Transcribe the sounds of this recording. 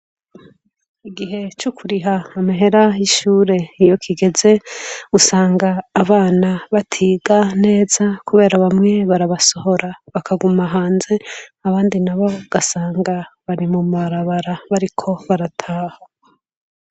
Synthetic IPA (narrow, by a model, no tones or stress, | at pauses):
iɡiɦe̞t͡ʃukʰuɾiɦaːmiɦe̞ɾajiʃuːɾe̞ijo̞kʰiɡe̞ze̞usaːŋɡaːβaːnaβatʰiːɡane̞ːzakuβe̞ːɾaβamŋe̞βaɾaβaso̞ho̞ɾaβakʰaɡumaɦaːnze̞aβaːndinaβo̞ɡ̥asaːŋɡaβaɾimumaɾaβaɾaβaɾikʰo̞βaɾatʰaːha